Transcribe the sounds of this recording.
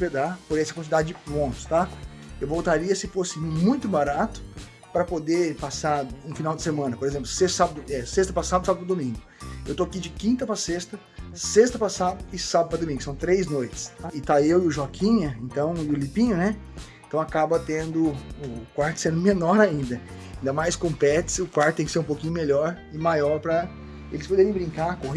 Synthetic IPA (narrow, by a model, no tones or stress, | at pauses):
ped̪apoɾɛsɪɐkwɐ̃nt͡ʃid̪ad͡ʒɪd͡ʒɪpɾõnt̪ʊ̥st̪a | ewvowt̪aɾiɐsɪfosɪmmũj̃t̪ʊbaɾat̪ʊ̥ | pɾɐpod̪epasaɾũfinawd͡ʒɪ̥semɐ̃nɐpoɾezẽmplʊsessabɐd̪ʊɛsest̪ɐpɾasad̪ʊsabɐdʊpɾɐd̪omĩŋɡʊewt̪oakid͡ʒɪkĩnt̪ɐpɾɐsest̪ɐ | sest̪ɐpasad̪ʊɪsabʊpɾɐd̪omĩŋɡʊsɐ̃w̃t̪ɾejznojt͡ʃɪ̥st̪aɪt̪aewɪʊʒɔkʰĩɲɐẽnt̪ɐ̃w̃ʊlipĩɲʊnɛẽt̪ɐ̃w̃akabɐt̪ẽnd̪ʊʊkwaɾt̪ʊ̥sẽnd̪ʊmenɔɾaĩnd̪ɐ | ĩnd̪ɐmajskõpɛt͡ʃɪ̥sɪʊkwaɾt̪ʊt̪ẽkɪseɾũpowkĩɲʊmeʎɔɾ | ɪmajɔɾpɾɐ | elɪspod̪eɾẽj̃bɾĩŋkakohe